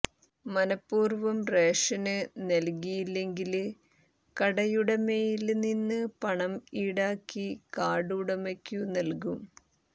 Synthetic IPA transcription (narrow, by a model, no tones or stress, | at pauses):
mɐnɐpːuːrʋɐmreːʂɐnɨnɐlkijilːe̞ŋɡil | kɐɽɐjuɽɐmejilninːɨpɐɳɐmiːɽaːkːikaːɽuɽɐmekʲːunɐlkum